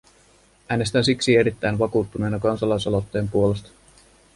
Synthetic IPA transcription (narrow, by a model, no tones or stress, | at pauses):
æːne̞st̪ænsiksie̞ɾit̪ːæjnʋɑkuːt̪ːune̞jnɑkɑnsɑlɑjsolo̞t̪ːeːmpuole̞st̪ɑ̥